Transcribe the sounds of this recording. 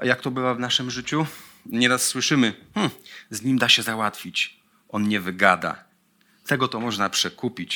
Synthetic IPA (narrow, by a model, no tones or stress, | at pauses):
a̰jak̚t̪ɔbɘvavnaʂɘmʐɘt͡ɕu | ɲɛɾasːwɘʂɘmɘm̩zɲimd̪aɕɛzawat̪fʲit͡ɕ | ɔnɲɛvɘɡad̪a̰ | t̪ɛɡɔt̪ɔmɔʐnapʂɛkupʲit͡ɕ